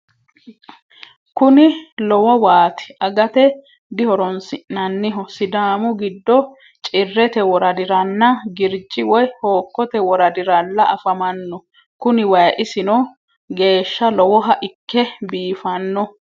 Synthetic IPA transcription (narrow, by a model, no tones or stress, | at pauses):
kʊnɪlɔwɐwaːt̪ɪ̥ʔɐɡɐt̪ɛ | d̪ɪhɔɾɔnsɪʔnɐnːɪɦɔsɪd̪aːmʊɡɪd̪ːɔ | t͡ʃʼɪrːɛt̪ɛwɔɾɐd̪ɪɾɐnːɐɡɪɾd͡ʒɪwɔjhoːkːɔt̪ɛwɔɾɐd̪ɪɾɐlːɐɐfɐmɐnːɔ | kʊnɪwɐjʔɪsɪnɔ | ɡe̞ːʃːɐlɔwɔɦɐʔɪkːɛbiːfɐnːɔ